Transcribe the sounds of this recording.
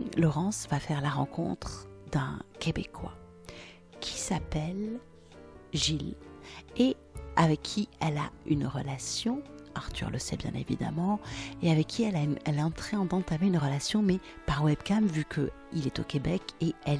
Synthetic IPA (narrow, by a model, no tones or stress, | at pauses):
lɔʁɑ̃svafɛʁlaʁɑ̃kʰɔ̰̃t̪χd̪ɛ̰̃kʲebekʰwa̰ | kʲʰi̥sapɛl | ʒil | e | avɛkʰːiɛla̰ynʁəlasjɔ̃aʁt̪y̰ʁləsɛ̰bjɛ̰̃nḛvḭd̪a̰mɑ̃eavɛkʲʰːiɛlaɛlɛɑ̃t̪χɛɑ̃d̪ɑ̃t̪ameynʁəlasjɔ̃mɛpaʁwɛbkamvykʰə̰ | ilɛt̪okebɛkeɛl